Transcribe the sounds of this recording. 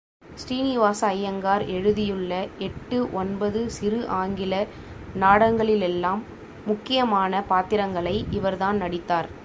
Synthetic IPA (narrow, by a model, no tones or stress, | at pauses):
sʈiːnɪʋaːsɐːjɐŋɡaːɾɛɻɯðɪjɯɭːɐɛʈːɯʔɔnbɐðɯsɪɾɯʔaːŋɡɪlɐ | naːɽɐŋɡɐɭɪlɛlːaːmː | ʊkːɪjɐmaːnɐpaːt̪ɪɾɐŋɡɐɭɐɪʔɪʋɐɾðaːnnɐɽɪt̪ːaːɾ